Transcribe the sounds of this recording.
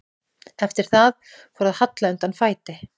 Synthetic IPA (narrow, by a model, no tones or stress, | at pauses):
ɛft̪ɪɾ̥θað | fɔɾaðhat̪laʏnt̪anfaːjt̪ɪ